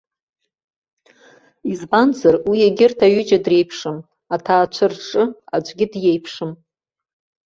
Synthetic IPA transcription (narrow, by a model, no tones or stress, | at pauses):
izbanzarwijeɡʲɪrtʰaɥʏd͡ʒadre̞jpʰʂɨm | atʰaːt͡ʃʷʰɨrʈ͡ʂʼɨad͡ʒʷʼɡʲɪdjejpʰʂɨm